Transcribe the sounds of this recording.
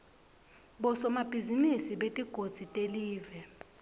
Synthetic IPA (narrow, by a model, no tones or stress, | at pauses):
ɓɔsɔmab̥ʱizimisiɓetʼiɡ̥ʱod̥z̥ʱitʼeliːvɛ